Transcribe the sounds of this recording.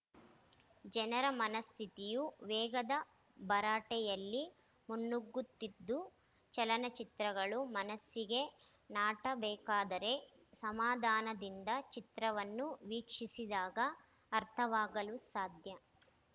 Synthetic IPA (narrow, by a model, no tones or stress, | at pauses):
d͡ʒɛnɐɾɐmɐnɐst̪ʰit̪ijuʋɛːɡɐd̪ɐ | bɐɾaːʈɛjɐlːi | munːuɡːut̪ːid̪ːu | t͡ʃɐlɐnɐt͡ʃit̪ɾɐɡɐɭumɐnɐsːiɡe̞ | naːʈɐbɛːkaːd̪ɐɾe̞ | sɐmaːd̪ʱaːnɐd̪ind̪ɐt͡ʃit̪ɾɐʋɐnːuʋiːkʂisid̪aːɡɐː | ɾt̪ʰɐʋaːɡɐlusaːd̪ʱjɐ